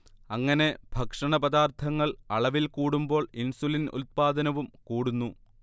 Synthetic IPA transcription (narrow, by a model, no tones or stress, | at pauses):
ɐŋːɐne̞bʱɐkʂɐɳɐpɐd̪aːrt̪ʰɐŋːɐɭɐɭɐʋilkuːɽumbo̞ːɭinsulinṵt̪̚paːd̪ɐnɐʋumkuːɽunːu